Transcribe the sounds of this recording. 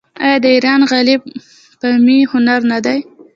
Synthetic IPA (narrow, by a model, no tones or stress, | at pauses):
ajɑd̪əiɾɑnɣalib | pəmihʊnaɾnad̪aj